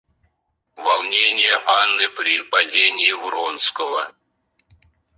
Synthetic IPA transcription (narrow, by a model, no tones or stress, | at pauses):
vɐlˠnʲenʲɪjəʔanːɨpɾʲipɐdʲenʲɪjːvɾonskəvə